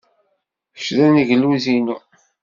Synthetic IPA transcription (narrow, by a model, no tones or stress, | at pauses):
ə̥ʃðæniʝəlːuzinu